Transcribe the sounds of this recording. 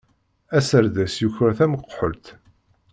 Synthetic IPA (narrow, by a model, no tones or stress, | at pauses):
æsəɾðæsjuçɾæθæməqːħəlt̪